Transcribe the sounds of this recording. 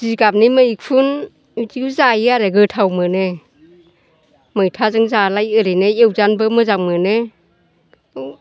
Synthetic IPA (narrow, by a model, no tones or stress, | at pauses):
ziɡap̚nimɯjik̚pʰun | itikzajiaɾeɡɯtʰawmɯne | mɯjtʰazɯŋzalajɯɾeneewzanbɯmɯzaŋmɯne | ɯw